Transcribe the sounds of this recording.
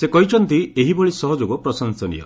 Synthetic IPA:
sekɔɦit͡ʃʰɔnt̪ieɦibɔɭisɔɦɔd͡ʒoɡɔpɾɔsɔnsɔnḭjɔ̰

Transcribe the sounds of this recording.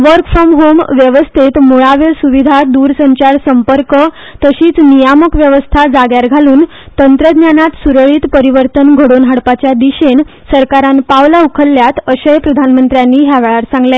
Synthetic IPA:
ʋəɾkfamɦomʋjeʋəst̪ʰit̪moɭaʋesuʋid̪ʱad̪uɾsəɲt͡ɕaɾsəmpəɾkə | t̪əɕiːt͡snijaməkʋjeʋəst̪ʰad͡zaɡjaɾɡʱaluːn | t̪ənt̪ɾəd̪njanat̪suɾəɭiːt̪pəɾiʋəɾt̪ənɡʱəɽonɦaɽpat͡ɕjad̪iɕensəɾkaɾanpaʋlaukʰəlːjat̪əɕəjpɾəd̪ʱanmənt̪ɾjanːiːɦjaʋɛɭaɾsãŋɡle

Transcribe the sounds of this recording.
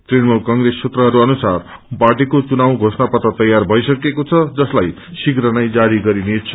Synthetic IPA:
t̪rinmulkʌŋɡrest͡sʰet̪rʌɦʌɾuʌnusar | paʈikot͡sunawɡʱosnapʌt̪ʌt̪ʌjarbʱʌjsʌkekot͡sʰʌd͡zʌslaj | siɡɾʌnajd͡zaɾiɡʌɾinet͡sʰʌ̥

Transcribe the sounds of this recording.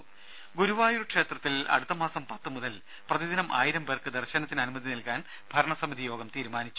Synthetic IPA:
ɡuɾuʋaːjuɾukʂe̞ːt̪rɐt̪ːilɐ̰ɽut̪ːɐmaːsɐmpɐt̪ːɨmuðɐl | prɐðid̪inɐmʔa̰ːjiɾɐmberkɨd̪ɐrɕɐnɐt̪ːinɐnumɐðinilkaːn | b̥ʱɐɾɐɳɐsɐmid̪ijo̞ːɡɐmt̪iːɾumaːnit͡ɕːu̥

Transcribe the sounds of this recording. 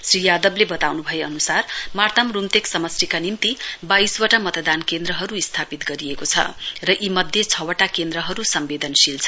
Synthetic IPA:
srijad̪ʌblebʌt̪awnubʱʌjeʌnusarmart̪amrumt̪eksʌmʌsrikanimt̪ibaiswʌʈamʌt̪ʌd̪ankend̪ɾʌɦʌɾuist̪ʰapit̪ɡʌɾiekot͡sʰʌ̰rʌʔimʌd̪ʱjet͡sʰʌwʌʈakend̪rʌɦʌɾusʌmbed̪ʌnsilt͡sʰʌ

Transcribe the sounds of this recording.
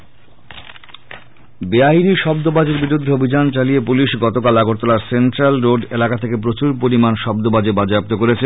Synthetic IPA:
beainiʃɔb̚d̪obad͡ʑeɾbiɾud̪ʱːeobʱid͡ʑant͡ɕaliepuliʃɡɔt̪okalaɡoɾt̪ɔlaɾsenʈɾalɾoɖelakat̪ʰekep̬ɾot͡ɕuɾpoɾimanʃɔb̚d̪obad͡ʑebad͡ʑap̚t̪okoɾet͡ɕʰe

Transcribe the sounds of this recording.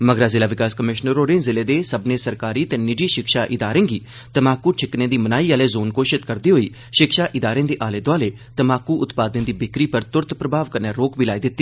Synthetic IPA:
məɡɾaːzɪlaːʋɪkaːskəmɪʃnəɾoːɾẽːzɪleːd̪eːsəbnẽːsəɾkaːɾiːt̪eːnɪɖiːʃɪkʃaːʔɪd̪aːɾẽːɡiː | t̪əmaːkuːʈʰɪknẽːd̪iːmənaːiːaːleːzoːnkoːʃɪt̪kəɾd̪iːɦoːḭː | ʃɪkʃaːʔɪd̪aːɾẽːd̪eːʔaːleːd̪oaːleː | t̪əmaːkːuːʔʊt̪paːd̪ẽːd̪iːbɪkɾiːpəɾt̪ʊɾt̪pɾəbʱaːʋkəɾneːɾoːkbiːlaːiːd̪ɪt̪ːiː

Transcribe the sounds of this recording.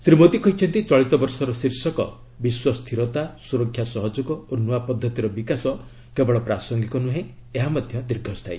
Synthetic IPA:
sɾimot̪ikɔɦit͡ʃʰɔnt̪it͡ʃɔɭit̪ɔbɔɾsɔɾɔsiɾsɔkɔ̰ | biswɔst̪ʰiɾɔt̪asuɾɔkʰːjasɔɦɔd͡ʒuɡɔonuapɔd̪ʱːɔt̪iɾɔbikasɔ | kebɔɭɔpɾasɔŋɡikɔnuɦẽeɦamɔd̪ʱjɔd̪iɾɡʱɔst̪ʰaj

